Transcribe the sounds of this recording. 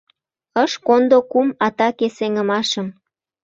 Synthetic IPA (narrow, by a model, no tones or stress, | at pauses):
əʃkond̪okumɑt̪ɑkeseŋə̆mɑʃə̆m